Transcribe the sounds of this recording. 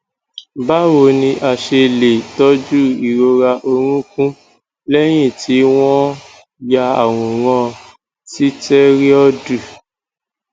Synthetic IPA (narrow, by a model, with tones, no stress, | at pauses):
ba˦wo˧nĩ˧ʔa˨ʃe˧le˨tɔ˦d͡ʒu˦i˨ɾo˧ɾa˧ʔo˧ɾ̃ũ˦kũ˦ | lɛ˦j̃ĩ˦˨ti˨˦w̃ɔ̃˦ | ja˧a˨w̃ũ˨ɾã˧˦ | ti˦tɛ˦ɾi˦ɔ˦du˦˨